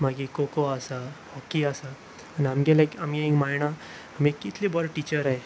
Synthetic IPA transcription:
maɡikokoasahɔkːiasa | aniamɡelajkamiekmajɽaː | m̤ikːit̪ʰlibəɾʈit͡ɕəɾae

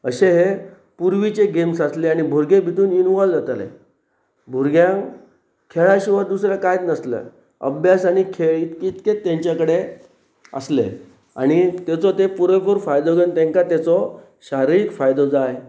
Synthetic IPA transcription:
əɕeɦe | puɾʋit͡ɕeɡemsasleaɽ̃ibʱuɾɡebʱit̪uːninʋɔld͡zat̪alḛ | bʱuɾɡjãŋ | kʰeɭaɕiʋəɾd̪usɾjakajt̪nəslə̰ | ə̰bʱjasaɽ̃ikʰeɭit̪kit̪ket̪ːjãɲt͡ɕjakəɽe | ə̰slḛ | a̰ɽ̃it̪et͡sɔt̪epuɾepuɾfajd̪ɔɡənt̪ɛ̃ŋkat̪at͡sɔ | ɕaɾiikfajd̪ɔd͡zaj

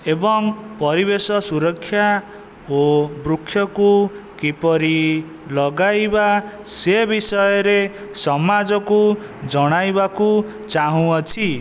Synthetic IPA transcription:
ebɔŋpɔɾibesɔsuɾɔkʰːja | obɾukʰːjɔkukipɔɾi | lɔɡajbasebisɔjɔɾesɔmad͡ʒɔku | d͡ʒɔɽ̃ajbaku | t͡ʃaɦũɔt͡ʃʰi

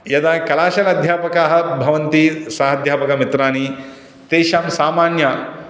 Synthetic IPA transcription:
jɐd̪aːkɐlaːʃɐlɐd̪ʱjaːpɐkaːɦɐ̆bʱɐʋɐnt̪isaːɦɐd̪ʱjaːpɐkɐmit̪ɾaːni | t̪eːʃaːmsaːmaːnja

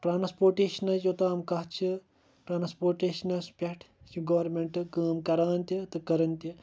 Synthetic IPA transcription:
ʈɾaːnspoːɾʈeːʃɐnɐt͡ʃjot̪aːmkɐɦt͡ʃʰi | ʈɾaːnspoːɾʈeːʃɐnɐspʲɐʈʰ | t͡ʃʰiɡɐʋɐɾmeɳʈɨkɐːmkɐɾaːnt̪ʲit̪ɨkɐɾɐnt̪i

